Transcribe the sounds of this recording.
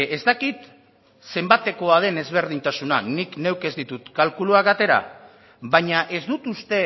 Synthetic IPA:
e̞zt̪akit̪ | se̞mbat̪e̞ko̞að̞e̞ne̞zβe̞ɾð̞int̪asunanikne̞wke̞zd̪it̪ut̪kalkuluaɡat̪e̞ɾa̰ | βaɲaʔe̞zd̪ut̪ust̪e̞

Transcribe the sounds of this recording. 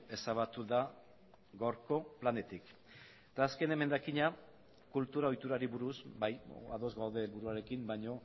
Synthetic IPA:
e̞saβ̞at̪uða | ɣawɾko̞plane̞t̪ik | et̪aːske̞ne̞me̞nd̪akiɲa | kult̪uɾaojt̪uɾaɾiβuɾusbaja̰ðo̞zɣawðe̞ːlβuɾuaɾe̞kimbajɲo̞

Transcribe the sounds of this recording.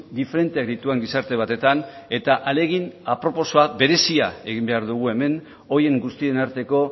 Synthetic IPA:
d̪ife̞ɾe̞nt̪e̞ak̚d̪it̪ueŋɡisaɾt̪e̞β̞at̪e̞t̪an | e̞t̪aʔale̞ɣ̞inapɾo̞po̞so̞aβe̞ɾe̞siae̞ɣimbe̞aɾðuɣ̞ue̞me̞n | o̞je̞ŋɡust̪ie̞naɾt̪e̞ko̞

